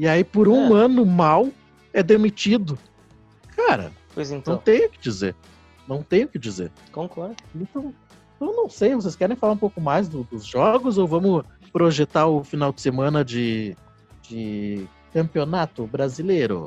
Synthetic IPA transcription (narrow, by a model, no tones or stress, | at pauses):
ɪaipoɾũɐ̃nʊmaw | ɛd̪emit͡ʃid̪ʊ | kʰaɾɐ̰pojzẽt̪ɐ̃w̃t̪ẽj̃ʊkɪd͡ʒizḛɾ | nɐ̃w̃t̪ẽj̃ʊkɪd͡ʒizḛɾ | kõkɔɾẽnt̪ɐ̃w̃ | t̪ɐ̃w̃nɐ̃w̃sejvos̬eskɛɾẽj̃falaɾũpowkʊmajzd̪ʊd̪ʊzʒɔɡʊzowvɐ̃mʊ | pɾoʒet̪aɾʊfinawd͡ʒɪ̥semɐ̃nɐd͡ʒɪ | d͡ʒɪ | kɐ̃mpionat̪ʊbɾazilejɾʊ̰